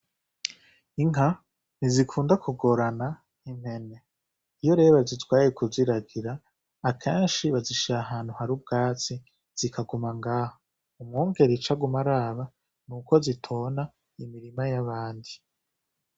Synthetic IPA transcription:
iŋɦa | nizikʰuːndakuɡo̞ɾana | im̥he̞ne | ijo̞ɾe̞ːβazitwaːijekuziɾaɡiɾaː | kʰeːnʃiβaziʃiɾaɦaːn̥huhaɾub̚ɡaːt͡si | z̥ikʰaɡumaŋɡaːho | umŋoːŋɡe̞ɾit͡ʃaɡumaɾaːβa | nuko̞zitʰoːna | imiɾimajaβaːndi

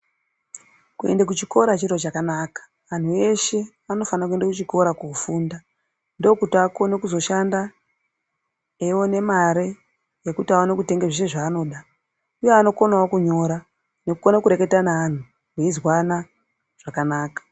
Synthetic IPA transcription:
kue̞̰ndak̬ut͡ʃiko̞ɾat͡ʃiɾo̞t͡ʃakanaːkḁ | ʋan̤ue̞ʃe̞ | ano̞fanakue̞ndakut͡ʃiko̞ɾakuufuːnda | ndo̞kutiako̞nekuzo̞ʃanda | ewo̞ne̞maɾe | jekutiaonekute̞ŋɡeʐeʃeʐaːno̞ɗa | ujeano̞konawokuɲo̞ɾa | nekukonakuɾe̞ke̞tanaːn̤u | weizwana | ʐ̥akanaːkḁ

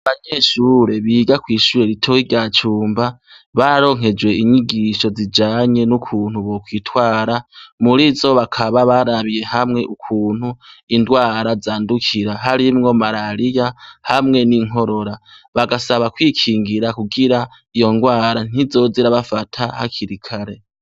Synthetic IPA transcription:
aβaɲeʃuɾe̞βiɡakwiːʃuɾe̞ɾitʰoiɾɟat͡ʃuːmba | βaɾo̞ŋɦe̞d͡ʒwe̞iɲiɡiʃo̞zid͡ʒaːɲe̞nukʰuːn̥huβo̞kwitwaːɾamuɾizo̞βakʰaβaβaɾaβije̞hamŋe̞ʔukʰuːn̥huindwaːɾazaːndukʰiɾaɦaɾimŋo̞maɾaɾijahamŋe̞niŋo̞ɾo̞ɾaβaɡasaβakwikʰiːŋɡiɾakuɡiɾa | ijo̞nɡwaːɾan̥izo̞ziɾaβafatʰahakʰiɾikʰaɾe̞

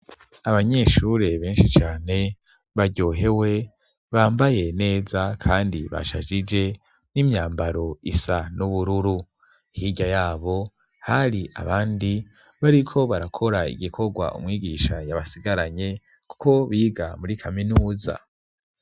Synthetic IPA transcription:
aβaɲe̞ʃuɾe̞βeːnʃit͡ʃaːne̞ | βaɾɟo̞ːɦe̞we̞ | βaːmbaje̞ne̞ːzakʰaːndiβa̰ʃa̰ʒid͡ʒe̞ | nimɲaːmbaɾo̞isanuβuɾuɾu | hiɟajaːβo̞ | haɾiʔa̰βaːndi | βaɾikʰo̞βaɾakʰo̞ɾaḭɡikʰo̞ɡwa̰ʔṵmŋiːɡiːʃajaβasiɡaɾaɲe̞ | ku̥ko̞βiːɡamuɾikʰaminuːza̰

